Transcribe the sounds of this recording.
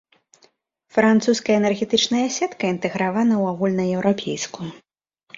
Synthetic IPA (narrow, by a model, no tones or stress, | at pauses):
fɾant̪suskɐjɐɛnɛrɣʲɛt̪ɨt͡ʂnɐjɐasʲɛt̪kɐint̪ɛɣɾavanɐwaɣulʲnɐɛwɾapʲʰejsku